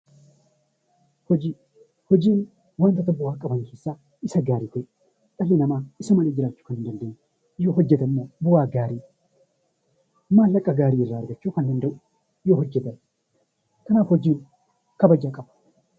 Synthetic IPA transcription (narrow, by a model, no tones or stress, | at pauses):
hɔd͡ʒiː | hɔd͡ʒiːn | want̪ɐt̪ɐbʊwaːkʼɐbɐŋke̞ːsːaː | ɪsɐɡaːɾiːkɔj | ᶑ̪ʼɐlːeːnɐmaːɪsɐmɐleːd͡ʒɪɾaːt͡ʃːʊ̥kɐnnd̪ɐnd̪eɲː | joːhɔd͡ʒːɛt̪ɐmːoːbʊwaːɡaːɾiː | mːaːlɐkʼːɐɡaːɾiːɪrːaːɐɾɡɐt͡ʃːuːkɐnd̪ɐnd̪ɐʔʊ | joːhɔd͡ʒːɛt̪ɐ | t̪ɐnaːfhɔd͡ʒiːn | kɐbɐd͡ʒakʼɐbɐ̥